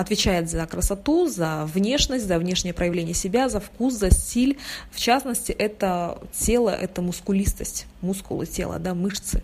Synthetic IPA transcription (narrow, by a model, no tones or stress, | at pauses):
ɐt̪vʲɪt͡ɕæjɪt̪zɐkɾəsɐt̪uzɐvnʲe̞ʂnəsʲtʲzɐvnʲe̞ʂnʲɪjəpɾəjɪvlʲenʲɪjəsʲɪbʲazɐfkuszɐsʲtʲilʲft͡ɕasnəsʲtʲɪʔɛt̪ətʲe̞lˠə̰ʔɛt̪əmʊskʊlʲist̪əsʲtʲ | muskʊ̰lˠɨ̰tʲelˠə̰d̪amɨʂt̪sɨ̰